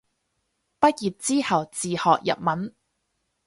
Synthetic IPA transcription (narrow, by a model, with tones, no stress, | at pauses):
pɐ˥t̚jiː˨t̚t͡siː˥hɐ˨˩wt͡siː˨hɔː˨k̚jɐ̰˨p̚mɐ˨˥n